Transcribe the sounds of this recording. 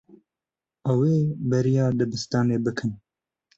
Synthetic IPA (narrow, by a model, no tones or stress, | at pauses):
ɛweːbɛɾijɑːd̪ɨbɨst̪ɑːneːbɨkʰɨn